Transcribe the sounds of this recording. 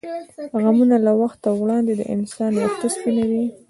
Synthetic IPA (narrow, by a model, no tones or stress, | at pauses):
ɣamunalawaxt̪ːawɽɑnd̪ed̪ə̰ʔɪ̰nsɑnwat̪aspinawi